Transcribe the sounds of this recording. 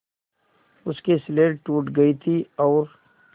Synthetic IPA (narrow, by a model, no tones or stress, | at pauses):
ʊskesleːɖʈuːʈɡɐit̪ʰiɔːɾ